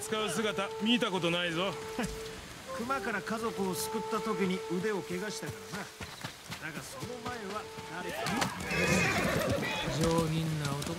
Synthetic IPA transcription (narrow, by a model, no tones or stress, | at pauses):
t͡sɨ̥kaɯ̟s̬ɨɡat̪amʲiːt̪ako̞t̪̬o̞naizo̞ | kɯ̟makaɾakazo̞kɯ̟osɨ̥kɯ̟t̪ːat̪o̞k̬ʲiɲ̟iɯ̟d̪e̞o̞ke̞ɡaɕi̥t̪akana | d̪aɡaso̞no̞mae̞βad̪aɾeɾie | d͡ʑoːmʲĩnːaot̪o